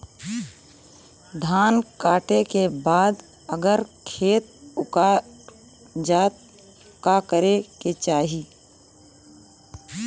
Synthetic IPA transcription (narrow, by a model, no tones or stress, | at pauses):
d̪ʱaːnkaːʈekebaːd̪ | əɡəɾkʰeːt̪̚ʊka | d͡ʒaːt̪ | kakəɾeket͡ʃaːɦi